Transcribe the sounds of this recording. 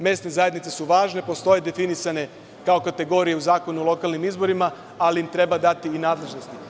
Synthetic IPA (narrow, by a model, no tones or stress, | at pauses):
mje̞st̪ne̞zaje̞d̪nit̪se̞suʋaːʒne̞po̞st̪o̞je̞d̪e̞finisane̞ | kao̞kat̪e̞ɡo̞ɾije̞uzaːko̞nuolˠo̞kalˠnimizbo̞ɾima | aliimt̪ɾe̞bad̪at̪iːnaːd̪le̞ʒnost̪i